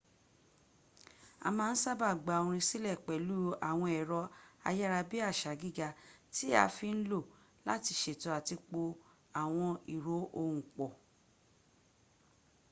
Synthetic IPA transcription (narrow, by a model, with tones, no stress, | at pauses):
a̰˧mãː˦˧˦n̩˦sa˦ba˦˨ɡ͡ba˨o˨˧ɾ̃ĩ˧si˦lɛ˦˨k͡pɛ˨lu˦a˨w̃ɔ̃˧ɛ˨ɾɔ˧a̰˧jɛ˦ɾa˧bi˦a˦˨ʃa˨ɡi˦ɡa˧ti˦a̰˧fi˧n̩˦lo˦˨ | la˦ti˧ʃe˨tɔ˧a˨ti˧k͡po˧ | a˨w̃ɔ̃˧i˨ɾo˨˦ʔo˧wũ˨k͡pɔ˨